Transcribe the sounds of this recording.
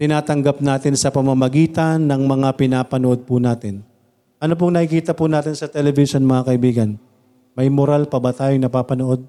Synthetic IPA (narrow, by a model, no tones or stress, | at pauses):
t̪ɪnaːt̪ɐŋɡap̚naːt̪ɪnsɐpɐmamɐɡiːt̪ɐnːɐŋmɐŋapɪnaːpɐnoʔo̞d̪̚pʊnaːt̪ɪn | ʔɐnop̬oŋnɐʔɪkiːt̪ɐpʊnaːt̪ɪnsɐt̪ɛlɛvɪʃonmɐŋakɐʔɪbiːɡɐn | mɐjmoɾalpɐbɐt̪aːjoŋnɐpaːpɐnoʔo̞d̪̚